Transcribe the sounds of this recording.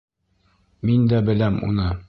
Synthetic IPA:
mind̪æbɘ̆læmṵnɤ

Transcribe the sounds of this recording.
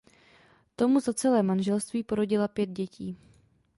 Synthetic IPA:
t̪o̞muzat͡sɛlɛːmanʒɛlst̪viːpo̞ɾoɟɪlapjɛd̪̚ɟɛcʰiː

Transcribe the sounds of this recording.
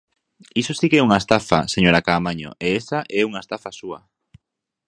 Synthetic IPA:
isosikɛuŋaest̪afa̰seɲoɾakaːmaɲo̰ʔeɛsaʔɛuŋaest̪afasuɐ̰

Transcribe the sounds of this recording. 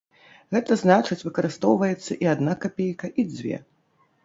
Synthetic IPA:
ɣɛt̪ɐznat͡ʂɨt͡sʲvɨkɐɾɨst̪ɔwvɐjɛt̪sːɐʔiad̪nakapʲejkɐʔid͡zʲvʲɛ̰

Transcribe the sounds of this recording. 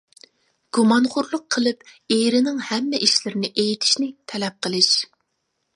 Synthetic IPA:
ɡ̥umɑnχʊɾlˠʊqʰəlˠɨpeɾɪnɪŋhɛmːɛʔiʃlɪɾɪnɪʔejit̪ʰi̥ʃnɪt̪ʰɛlɛp̚qʰəlˠɨʃ

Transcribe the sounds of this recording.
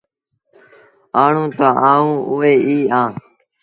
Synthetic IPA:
aːɳũːt̪aːʔãːũːʔʊeːʔiːãː

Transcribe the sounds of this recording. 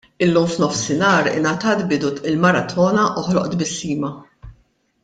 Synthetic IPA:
ɪlːuːmfnɔfsɪnɐːɾɪ̰nɐt̪ɐːt̪bɪd̪ʊɪlmɐɾɐt̪ʰɔːnɐʔʊħlɔ̰ʔt̪bɪsːiːmɐ

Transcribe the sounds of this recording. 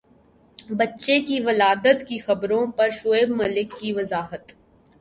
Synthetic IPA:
bɐtːʃekiʋɐlaːd̪ət̪kixɐbɾõpɐɾʃoeːbmɐlɪkːiʋɐzaːɦət̪

